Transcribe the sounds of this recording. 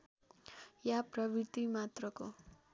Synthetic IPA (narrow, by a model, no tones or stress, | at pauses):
japrʌbit̪imat̪rʌko